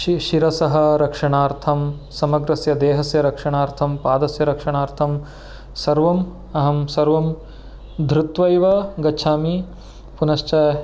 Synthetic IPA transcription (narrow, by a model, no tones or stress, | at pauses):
ʃiɾɐsɐɦɐ̆ɾɐkʂɐɳaːɾt̪ʰɐm | sɐmɐɡɾɐsjɐd̪eːɦɐsjɐɾɐkʂɐɳaːɾt̪ʰɐmpaːd̪ɐsjɐɾɐkʂɐɳaːɾt̪ʰɐm | sɐɾʋɐm | ɐɦɐmsɐɾʋɐm | d̪ʱɾut̪ʋɐjʋɐɡɐːt͡ʃʰaːmi | punɐʃt͡ʃɐ